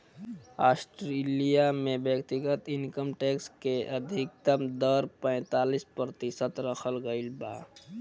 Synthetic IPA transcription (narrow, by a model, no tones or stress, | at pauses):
asʈɾelijamebjəkt̪iɡət̪inkəmʈekskeʔəd̪ʱik̚t̪əmd̪əɾpə̃ɪ̃t̪alispɾət̪isət̪ɾəkʰəlɡəɪlba